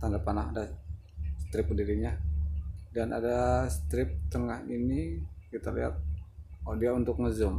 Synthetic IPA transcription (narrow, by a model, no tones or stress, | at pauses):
t̪andapanaɦada | sə̥t̪ɾɪp̚diɾiɲa | danʔa̰dasə̥t̪ɾɪp̚t̪əŋahinikit̪alḭɦa̰t̪̚odiaunt̪ʊk̚ŋəzəm